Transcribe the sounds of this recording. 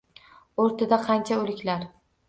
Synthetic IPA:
oɾt̪ʰad̪aqʰɑnt͡ʃʰaɵlɪkʲʰlaɾ

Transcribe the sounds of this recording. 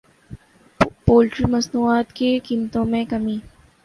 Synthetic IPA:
poːlʈɾimɐsnuːaːt̪kekimt̪õmẽkɐmiː

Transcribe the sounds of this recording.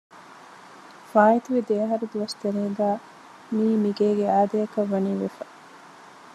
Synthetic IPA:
faːit̪uʋid̪eːɐɦɐɾud̪uʋɐst̪eɾeːɡæː | miːmiɡeːɡeaːd̪ɐjɐkɐʋːɐniːʋḛfɐ̥

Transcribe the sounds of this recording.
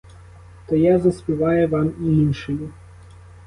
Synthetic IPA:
t̪ɐjazɐsʲpʲiʋɑjɛʋamiinʃɪlʲi

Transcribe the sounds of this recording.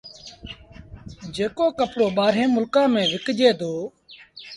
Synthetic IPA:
d͡ʒeːkoːkəpɽoːɓaːɾɦẽːmʊlkãːmẽːʋɪkd͡ʒeːd̪oː

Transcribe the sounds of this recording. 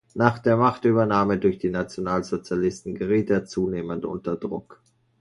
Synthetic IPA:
naːχd̥eːɐmaχtʔyːbɐnaːmədʊɐçd̥iːnat͡sjonaːlzot͡sjalɪstn̩ɡəʁiːteːɐt͡suːneːməntʔʊ̰ntɐdʁʊ̰k

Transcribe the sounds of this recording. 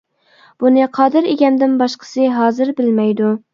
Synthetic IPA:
b̥unɨqʰɑːd̪ɨɾeɡʲɛmd̪ɪnbɑʃqʰə̥sɨɦɑːzɪɾbɪlmɛjd̪u

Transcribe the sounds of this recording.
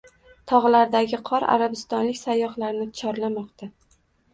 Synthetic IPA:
t̪ʰɒʁlaɾd̪aɡʲɪqʰɒɾa̰ɾabɪst̪ɒnlɪkʲsajːɒχlaɾnɪt̪t͡ʃʰɒɾlamɒqt̪ʰa

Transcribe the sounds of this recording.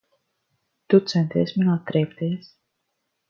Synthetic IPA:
t̪ut̪sɛnt̪iːsʲminaːt̪ːɾɛːpt̪iːs

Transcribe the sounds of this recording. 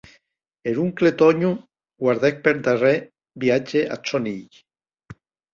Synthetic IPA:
eɾuŋklet̪ɔɲu | ɡwaɾðek̚peɾt̪are | biad͡ʒeʔa̰t͡ʃoniʎ

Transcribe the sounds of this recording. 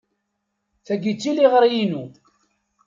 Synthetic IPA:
θæɡit͡sːiliʁəɾjinu

